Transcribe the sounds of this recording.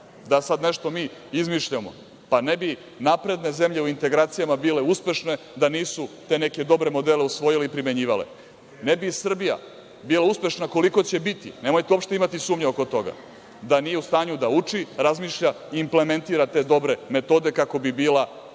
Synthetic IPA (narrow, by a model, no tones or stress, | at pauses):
d̪asad̪ne̞ʃt̪o̞miːizmiʃʎamo̰ | panebi | napɾe̞d̪ne̞zemʎeuint̪e̞ɡɾaːt̪sijamabiːle̞uspʲe̞ʃne̞ | d̪aniːsut̪e̞ne̞ke̞d̪o̞bɾe̞mo̞d̪ele̞usʋo̞jileipɾime̞ɲiːʋalḛ | nebisr̩bija̰ | biːlauspe̞ʃnako̞liko̞t͡ɕe̞bit̪ḭne̞mo̞jt̪eo̞pʃt̪imat̪isuːmɲeoko̞t̪o̞ɡa̰ | d̪anijeust̪aːɲud̪aut͡ʂiɾazmiːʃʎa | iːmple̞me̞nt̪iːɾat̪e̞d̪o̞bɾe̞me̞t̪o̞ːd̪e̞kako̞bibiːla